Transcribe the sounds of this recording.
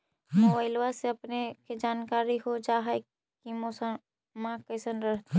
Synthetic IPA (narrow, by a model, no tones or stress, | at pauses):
moʋaɪlʋaseɐpneked͡ʒaːnkaːɾiɦod͡ʒaːɦa | kimosa | mãkəsənɾəɦt̪e